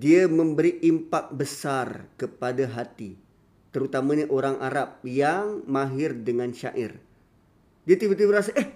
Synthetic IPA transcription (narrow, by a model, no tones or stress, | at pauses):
diamə̃mbəɾiʔimpak̚bəsarkəpadaɦat̪i | t̪əɾut̪amãɲaʔoɾaŋʔaɾap̚jaŋmãɦɪrdəŋãnʃa̰ʔɪ̰r | diat̪ibət̪ibəɾasaʔɛh